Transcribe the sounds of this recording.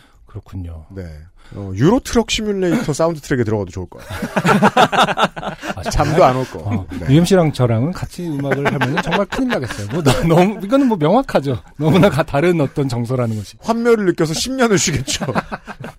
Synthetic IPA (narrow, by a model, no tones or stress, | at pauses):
kɯɾʌkʰuɲone̞̰ʌ̰juɾotʰɯɾʌk̚ɕʰimjuɭːetʰʌs͈aundʰɯtʰɯɾeɡetɯɾʌɡadot͡ɕouɭk͈ʌj | at͡ɕamoanoɭkk͈ʌjuemɕʰiɾaŋt͡ɕʰʌɾaŋɯnkat͡ɕʰiɯmaɡɯɭɦamɯjʌnɯnt͡ɕʌŋmaɭkʰɯnimkaɡes͈ʌjomwʌnʌnʌmuiɡʌnɯnmwʌmjʌŋɦwakʰad͡ʑonʌmunakataɾɯnʌt͈ʌnt͡ɕʌŋsʰʌɾanɯnɡʌɕʰi̥ɸwamːjʌɾɯɭːɯk͈jʌs̬ʰʌɕʰimɲʌnɯɭsʰiɡe̞t̚t͡ɕ͈o